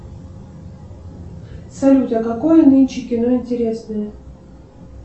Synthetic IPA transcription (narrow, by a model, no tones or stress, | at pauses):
sɐlʲutʲɐkɐkojənɨnʲt͡ɕɪkʲɪnoɪnʲtʲɪɾʲesnəjə